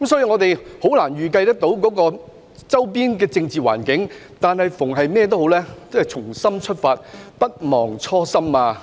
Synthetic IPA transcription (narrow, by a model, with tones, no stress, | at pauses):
kmsɔː˨˥jiː˧ŋɔː˨˧t̪e˨jho˨˥wlaː˨˩nɥyː˨kɐ˧jt̪̬ɐ˥k̚t̪o˨˧˥wkɔː˨˥kɔː˧ | t͡sɐ˥wpiː˥nkɛː˧t͡sɪ˧ŋt͡siː˨wa̰ː˨˩nkɪ˨˥ŋ | t̪aː˨nhɐ˨jfʊ˨˩ŋɦɐ˨jmɛː˥t̪̬o˥wɦo˨˥wlɛː˥t͡shɐ˨jt͡sʰʊ˨˩ŋsɐ˥mt͡ʃʰɵ˥t̚faː˧t̚pɐ˥t̚mɔː˨˩ŋt͡ʃʰɔː˥sɐ˥maː˧